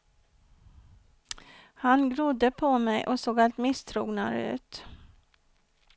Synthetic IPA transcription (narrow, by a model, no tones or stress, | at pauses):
hanɡɾʊd̪ːəpʰɔmɛjʔɔsoːɡalt̪mɪst̪ʰɾuːɡnaɾʉ̟̰ːt̪